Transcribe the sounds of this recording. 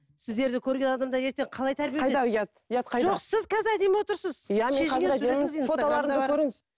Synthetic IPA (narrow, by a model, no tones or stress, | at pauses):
sɪzd̪e̞ɾd̪ɪkʲʰɵɾɡʲelˠɑd̪ɑmd̪ɑje̞ɾt̪e̞ɴqʰɑlˠɑjt̪ʰæɾbijejeɑjɑt̪jɑt̪qʰɑjʒoqsɪzkʲʰæzɪɾæd̪e̞mwo̞t̪əɾsəzjameʃɪɡʲesuɾeɪɪzenoɑlˠɑɾəbɑɾɵɾeŋɪz